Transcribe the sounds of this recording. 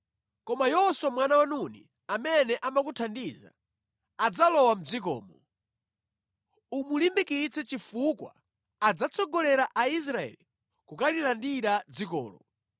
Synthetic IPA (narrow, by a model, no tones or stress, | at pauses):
kɔmajɔswamwanawanunḭ | amɛnɛʔamakutʰandiza̰ | ad͡zalɔwam̩d͡zikɔ̰ːmɔ | umulimbikit͡sɛt͡ʃifukwa̰ː | d͡zat͡sʰɔɡɔlɛɾaʔais̬ɾaɛ̰li | kukalilandiɾad͡zikɔ̰ːlɔ